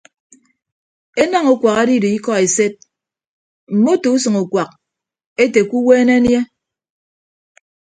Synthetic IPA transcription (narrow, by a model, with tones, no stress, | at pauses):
e˦nɔ˦ŋu˨kʷa˨ka˦di˦di˨i˦kɔ˦e˨se˦t̚ | m̩˨mo˦to˨u˦sɨ˨ŋu˨kʷa˨k̚ | e˦te˨ku˦weː˦ne˦nje˦